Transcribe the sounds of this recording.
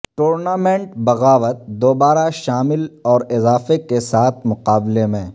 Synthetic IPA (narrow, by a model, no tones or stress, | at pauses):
ʈoːɾnaːmẽːɳʈbɐɣaːʋət̪̚d̪oːbaːɾaʃaːmɪlɔːɾɪzaːfekesaːt̪ʰmʊqaːblemẽː